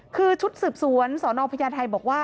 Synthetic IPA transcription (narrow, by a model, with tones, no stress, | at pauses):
kʰɯː˧t͡ɕʰu˦˥t̪̚sɯː˨˩p̚su˩˦ənsɔː˩˦nɔː˧pʰa˧jaː˧nt̪ʰa˧jbɔː˨˩k̚waː˥˩